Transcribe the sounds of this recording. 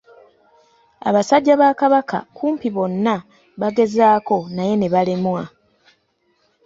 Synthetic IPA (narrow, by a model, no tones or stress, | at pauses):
a̰βasaɟːaβaːkaβaka̰kuːmpiβo̞nːa | βaɡe̞zaːko̞naje̞ne̞βale̞mwa